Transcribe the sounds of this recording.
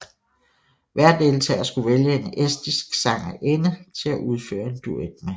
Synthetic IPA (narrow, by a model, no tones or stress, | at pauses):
ʋæɐ̰d̥e̝lt͡sʰɛ̰ːɐsɡ̥uʋeljəe̝nesd̥isɡ̥sɑ̈ŋ̰ɐʔenət͡sʰe̝læʔuð̞ˠfø̰ːɐe̝nd̥ued̥mæ